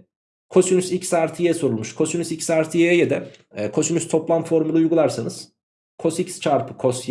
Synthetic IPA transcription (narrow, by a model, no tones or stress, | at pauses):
kʰo̞synysicsaɾt̪ʰijeɛso̞ɾulˠmuʃkʰo̞synysicsaɾt̪ʰijeɛjɛd̪ɛkʰo̞synyst̪ʰoplˠamfo̞ɾmulˠujɡulˠaɾsanɯz̥ | kʰo̞sicst͡ʃʰaɾpʰɯ̥kʰosj